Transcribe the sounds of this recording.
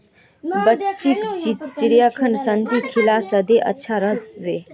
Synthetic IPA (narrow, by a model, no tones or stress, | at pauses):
bət͡ʃikit͡ʃiɾijaːkʰənsɐ̃nd͡ʒiːkʰːilaːsɐd̪eʔɐ̰tːʃʰaɾɐzʋeː